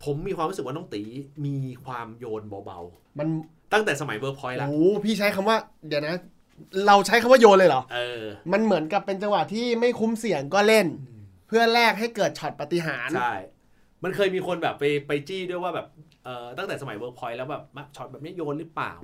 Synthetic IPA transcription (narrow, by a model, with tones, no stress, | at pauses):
pʰo˩˦mːiː˧kwa˧ɾs̚waː˥˩ɔ˥˩ŋt̪iː˩˦miː˧kʰwaː˧mjoː˧nbɔː˧ba̰˧w | ma˧n | t̪a˥˩ŋt̪ɛː˨˩sa˧ma̰˨˩˦jwɤː˦˥kpʰɔ˦˥jlaː˦pʰiː˥˩t͡ɕʰa˦˥jkʰa˧mwaː˥˩ | da˨˩na˦˥ | ɾa˧wt͡ɕʰa˦˥jkʰa˧mwaː˥˩joː˧nlɤː˧jlɔ˩˦ʔɤː˧ma˧nmɯ˩˦ənka˨˩pːe˧nt͡ɕa˧ŋwa˨˩ʔt̪ʰiː˥˩ma˥˩jkʰu˦˥msi˨˩˦əŋkɔː˥˩le˥˩n | pʰɯ˥˩ɐlɛː˥˩k̚ɦa˥˩jkɤː˨˩t̪̚t͡ɕʰɔ˨˩t̪̚pa˧t̪i˨ɦaː˩˦nʰa˥˩j | ma˧nkʰɤː˧jmiː˧kʰo˧nbɛː˨˩pːa˧jpa˧jt͡ɕiː˥˩du˥˩jwaː˥˩bɛː˨˩p̚ | ʔɤː˨˩t̪a˥˩ŋt̪ɛː˨˩sa˧ma˨˩˦jwɤː˧˥k̚pʰɔ˧˦˥jlɛː˦˥wbɛː˨˩p̚ma˦˥t͡ɕʰɔː˨˩t̪̚ɛː˨˩p̚ni˥joː˧nɾɯ˦˥pla̰ː˨˩w